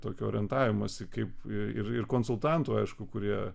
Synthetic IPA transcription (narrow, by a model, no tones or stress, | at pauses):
t̪oːkʲʊoːɾʲɛnt̪ɑːʋʲɪmosʲɪkɐɪpɪɪrɪrkoːnsʊlˠt̪ɐnt̪uːɐɪʃkʊkʊɾʲiɛ